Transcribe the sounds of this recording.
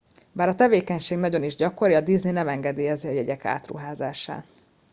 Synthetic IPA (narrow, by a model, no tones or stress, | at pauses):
baːɾɒt̪ɛveːkɛɲʃeːɡnɒɟo̞niʒɟɒkoɾiɒd̪izninɛmɛŋɡɛd̪eːjɛziɒjɛɟɛka̰ːt̪rṵɦaːzaːʃa̰ː